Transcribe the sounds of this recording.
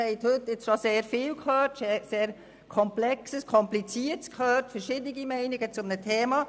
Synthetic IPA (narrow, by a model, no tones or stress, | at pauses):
ɛɪt̪hɵtːɪt͡sʃɔseːɾfɪːlkhøːrtʃeseːɾ | kʰɔmplɛksəskʰɔmplit͡siətskʰhøːɾtfəɾʃɪdnɪɡimɛɪnɪɡət͡sʊmnətʰɛːmɑː